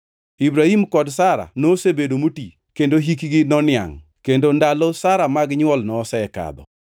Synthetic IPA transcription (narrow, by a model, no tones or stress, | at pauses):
ibɾahimkɔdsaɾa̰nosebedomuti | kendoɦikɡɪnɔnɪa̰ŋ | kendondalɔsaɾamaɡɲwɔlnɔsɛɛka̰d̪ɔ̰